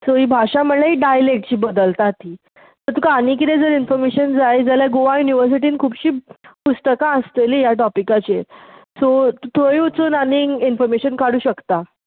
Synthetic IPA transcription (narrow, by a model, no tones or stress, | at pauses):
soɦiːbʱaɕam̤əlaɦiːɖajlek̚ʈ̚t͡ɕiːbəd̪əlt̪at̪iː | t̪əɾt̪ukanik̬it̪ed͡zəɾinfɔɾmeɕənd͡zajd͡zəljaɡoʋajuniʋəɾs̬iʈ̬iːnkʰuːbɕiːpust̪əkãəst̪elijaʈ̬ɔpikat͡ɕesot̪t̪ʰoɭĩut͡suːnaniinfɔɾmeɕənkaɽuːɕəkt̪a